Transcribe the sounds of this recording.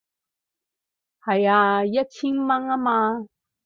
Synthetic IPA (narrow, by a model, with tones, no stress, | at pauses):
ha˨˩ja˧ja˦t͡ɕʰi˦˥ŋma˧ŋa˦maː˧